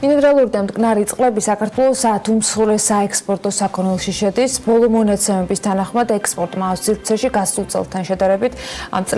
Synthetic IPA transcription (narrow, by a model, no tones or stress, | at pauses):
inɛɾalˠuɾid̪amd̪kʼnaɾit̪sʼqʼlɛbisakʰaɾt̪ʰwɛlˠɔsat̪ʰumsχuɾɛsaɛkspʼɔɾt̪ʼɔsakʰɔnɛlˠʃiʃɛd̪isbɔlˠɔmɔnat̪sʰɛmɛbist̪ʰanaχmad̪ɛkspʼɔɾt̪ʼmaːfsiɾt̪sʰɛʃiɡasulˠt̪sʼɛ̰lˠt̪ʰanʃɛd̪aɾɛbit̪ʰa̰mt̪sʼ